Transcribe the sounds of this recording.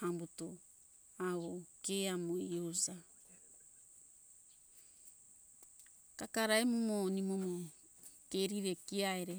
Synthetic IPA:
ambuto | aβokeamoiosa | kakaɾaemomonimomo | keɾiɾekiaeɾe

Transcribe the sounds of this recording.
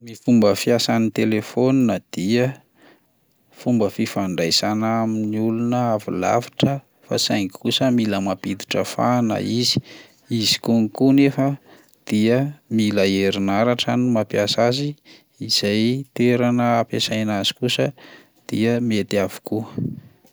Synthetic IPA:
mifumbəfiasanit̪elefonnəd̪̥iə | fumbəfifaɳɖ͡ʐajsanaaminiulunəavḭla̰vḁʈ͡ʂə | fa̰sajŋkusəmiləmapid̪i̥ʈ͡ʂəfa̰nə̰izi̥ | izi̥kuŋikunefə | d̪̥iəmiləeɾinaɾaʈ͡ʂanumapjasaziː | z̥ajt̪eɾanəːpesajnazi̥kusə | d̪̥iəmet̪avu̥ku

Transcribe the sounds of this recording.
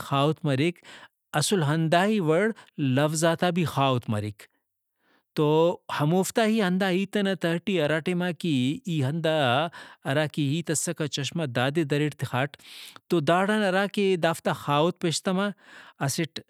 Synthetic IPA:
xaːut̪mɐɾik | ɐsulɦɐnd̪aːɦiʋɐɽlɐfzaːt̪aːbixaːut̪mɐ̰ɾik | t̪ohɐmoːft̪aːɦiɦɐnd̪aːɦiːt̪ɐnɐt̪ɐɦʈiɐɾaːʈemaːkiiːɦɐnd̪a | ɐɾaːkiɦiːt̪ɐsːɐkat͡ʃɐʃmad̪aːd̪ed̪ɐɾiʈt̪ixaːʈt̪od̪aːɽɐnɐɾaːked̪aːft̪axaːut̪̚peʃt̪ɐmaɐsiʈ

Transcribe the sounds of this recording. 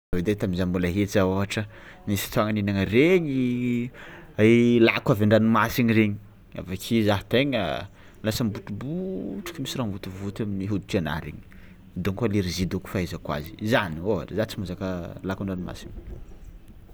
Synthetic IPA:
ved̪et̪aminzambulaɦet͡saoɦaʈ͡ʂənisi̥t̪uaŋaninaŋəreɲi | alakaveɳɖ͡ʐanimasiniɾeɲi̥ | a̰vakʰizaɦt̪eɲa̰ | lasəmbut̪ubuʈ͡ʂḁkimisiramvut̪ivut̪aminiɦud̪uʈ͡ʂiana̰ɾḛɲi̥ | d̪uŋkaliɾizid̪uku̥faezəkwa̰zi̥zanioɦa̰ʈ͡ʂzat͡simuzakəlakuɳɖ͡ʐanima̰sin

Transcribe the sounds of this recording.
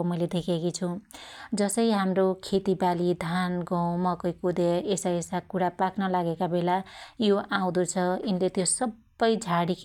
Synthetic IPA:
omʌjled̪ekʰekit͡sʰũd͡zʌsʌjɦamrokʰet̪ibalid̪ʱanɡʌw̃mʌkʌjkud̪eesaesakuɽapaknʌlaɡekabelajoʔaw̃d̪ut͡sʰʌinlet̪josʌbːʌjd͡zʱaɽikʰ

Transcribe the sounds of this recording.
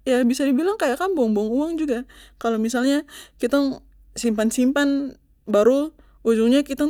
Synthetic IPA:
jabisadibilaŋkajakanboŋbɔaŋuwaŋd͡ʒuɡakalomisalɲakit̪aŋ | simpansimpan | baɾʊ | ud͡ʒuŋɲakit̪aŋ

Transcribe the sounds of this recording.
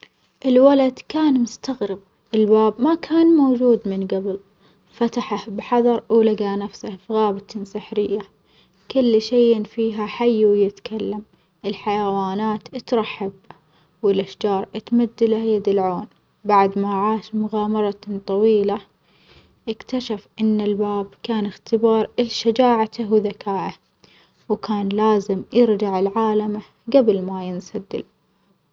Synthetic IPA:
ʔɪlwalad̪kaːnmʊst̪aɣɾɪb̚ | ʔɪlbaːbmakʰaːnmoːd͡ʒuːd̪mɪnɡabɪl | fat̪aħahbħɑðˤɑɾˤlaɡanafsahfɣaːbɪt̪sɪħɾɪjːa | kʊlːʃejnfiːɦaħajːwjɪt̪kalːam | ʔɪlħajawaːnaːt̪ɪt̪ɾˤɑħːab̚ | wɪlʔaʃd͡ʒɑːɾˤʔat̪mad̪ːalajad̪ɪlʕoːn | baʕd̪maʕaːʃmʊɣaːmɑɾˤɑt̪ˤɑwiːla | ʔɪkt̪aʃafʔɪnːɪlbaːbkaːnɪxt̪ɪbɑːɾˤʔɪlʃad͡ʒaːʕat̪awɪðakaːʔa | wkʰaːnlaːzɪmjɪɾd͡ʒaʕɪlʕaːlama | ɡablmajɪnsad̪ːɪ̰l

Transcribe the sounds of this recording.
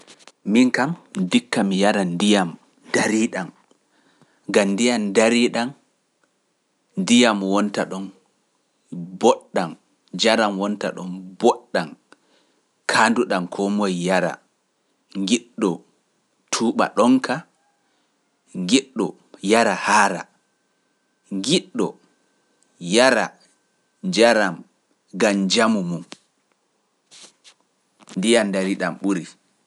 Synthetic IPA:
miŋkamdikːamijaɾandijam | daɾiːɗam | ɡamndijamdaɾiɗan | ndijamwɔntaɗɔn | bɔɗːan | d͡ʒaɾamwɔnta̰ɗɔnbɔɗːan | kʰanduɗankʰɔmojjaɾa̰ | ŋɡiɗːɔ | tʰuːɓa̰ɗɔŋka | ŋɡiɗːɔ | jaɾahaɾa̰ | ŋɡiɗːɔ | jaɾa̰ | d͡ʒaɾam | ɡamd͡ʒamumum | ndijandaɾiɗamɓuɾi

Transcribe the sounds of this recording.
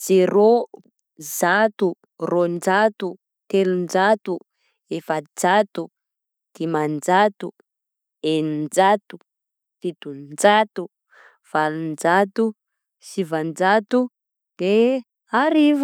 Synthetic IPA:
d͡z̥eɾo | zat̪u | rond͡ʒat̪u | t̪elund͡ʒat̪u | efəd͡zat̪u | d̪̥imand͡ʒat̪u | enind͡ʒat̪u̥ | fit̪und͡zat̪u | v̥alund͡ʒat̪u | sivand͡ʒat̪u | d̪̥e | aɾiv

